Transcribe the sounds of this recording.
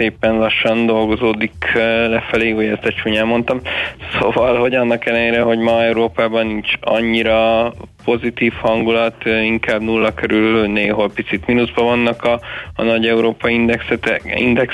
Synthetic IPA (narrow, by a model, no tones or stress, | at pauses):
eːpɛnlɒʃːɒnd̪o̞lɡo̞zoːd̪iklɛfɛleːujɛzt̪ɛt͡ʃuːɲɛmo̞nt̪ɒmsovɒlho̞ɟɒnːɒkɛlːɛneːɾɛɦo̞ɟmɒɛuɾoːpaːbɒnːiɲt͡ʃɒ̰ɲːiɾɒpo̞zit̪iːfhɒŋɡulɒt̪iŋkaːbnulːɒkøɾylneːɦo̞lpit̪sit̪minuzbɒvɒnːɒkɒnɒɟɛuɾoːpɒiind̪ɛksɛt̪ɛḭnd̪ɛk